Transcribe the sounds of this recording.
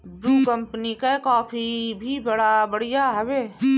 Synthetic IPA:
bɾuːkɐ̃mpənikakɔːpʰibʱibɐɽabɐɽijaɦɐʋeː

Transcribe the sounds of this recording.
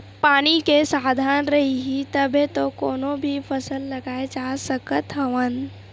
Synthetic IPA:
paːnikesaːd̪ʱaːnɾɐɦiɦit̪əbet̪okoːnõbʱipʰəsəlːɐɡaːed͡ʒaːsəkət̪ɦɐʋən

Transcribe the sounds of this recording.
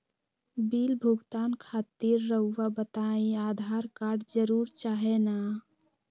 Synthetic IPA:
bilbʱuɡt̪ankʰaːt̪iɾːəːabət̪aĩaːd̪ʱaɾkaɾɖd͡ʒəɾuɾt͡ʃaɦena

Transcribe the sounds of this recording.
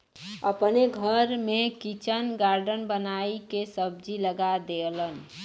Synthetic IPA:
əpneɡʱəɾmẽkit͡ʃənɡaɾɖənbənaikesəbd͡ʒiləɡad̪elən

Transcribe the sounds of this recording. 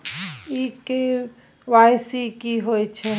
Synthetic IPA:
ike | ʋajsikiɦojt͡ʃʰɛ

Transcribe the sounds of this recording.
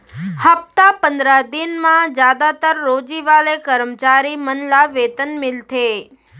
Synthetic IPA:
həp̚t̪apənd̪ɾad̪inmãd͡ʒjad̪at̪əɾːod͡ʒiʋalekəɾmt͡ʃaɾimənlaʋet̪ənmɪlt̪ʰe

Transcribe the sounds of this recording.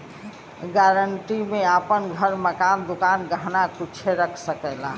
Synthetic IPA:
ɡaɾəɳʈimeapənɡʱəɾməkand̪ukanɡəɦnakut͡ʃʰeɾəkʰsəkɛla

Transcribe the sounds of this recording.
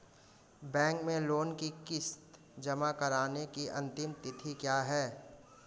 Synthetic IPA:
bɛ̃ːŋkmẽloːnkikɪst̪ | d͡ʒɐmakɐɾaːnekiʔɐ̃nt̪ɪmt̪ɪt̪ʰikjaːɦɛː

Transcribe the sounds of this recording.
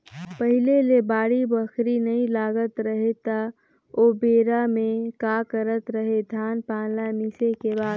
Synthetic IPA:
pəɦɪlelebaːɽibəkʰɾinəĩlaːɡət̪ɾəɦet̪a | obeːɾamẽkakəɾət̪ɾəɦed̪ʱaːnpãːlamisekebaːd̪

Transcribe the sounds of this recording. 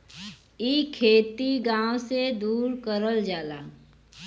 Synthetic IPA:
iːkʰeːt̪iɡãːwsed̪uːɾkəɾəld͡ʒaːlaː

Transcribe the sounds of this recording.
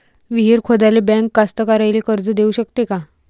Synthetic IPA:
ʋiɦiːɾkʰod̪alebɛ̃ŋkːast̪əkaɾajlekəɾd͡zəd̪euɕəkt̪eka

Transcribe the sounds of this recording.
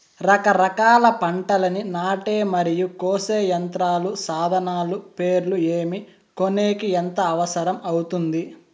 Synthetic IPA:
ɾɐkɐɾɐkaːlɐpɐɳʈɐlɐninaːʈe̞ːmɐɾijukoːse̞ːjɐnt̪ɾaːlusaːd̪ʱɐnaːlupe̞ːɾlueːmi | koneːkient̪ɐːʋɐsɐɾɐmɐwut̪und̪i

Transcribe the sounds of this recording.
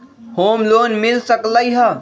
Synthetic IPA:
hoːmloːnmɪlsəkləiɦə

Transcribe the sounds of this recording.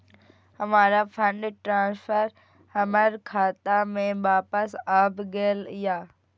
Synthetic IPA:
hɐʋaːɾafʰɐ̃ɳɖʈɾãːsfəɾ | hɐməɾkʰaːt̪amẽʋaːpəsaːbɡeːəlɪjaː

